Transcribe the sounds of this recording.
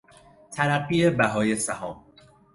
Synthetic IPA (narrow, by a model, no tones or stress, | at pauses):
t̪ʰæɾaqiebæɦɒːjesaɦɔːm